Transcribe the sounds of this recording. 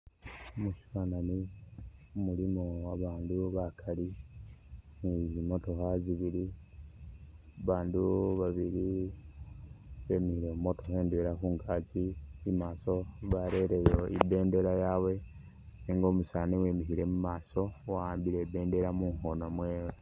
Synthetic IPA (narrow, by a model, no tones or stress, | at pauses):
omuʃufanani | umulimowaβaːnduβakʰali | nizimo̞to̞xaziβiɾi | βaːnduβaβiɾi | βe̞mihiɾemumo̞to̞xe̞ːndweɾakuːŋɡaːt͡ʃiimaːso̞βaɾe̞ɾe̞joḭbe̞ːnde̞ɾajawe̞ | niːŋɡo̞ːmusaːniwe̞ːmiɦiɾe̞mumaːso̞waːmbiɾebe̞ːnde̞ɾamuːŋho̞nomwe̞ːwe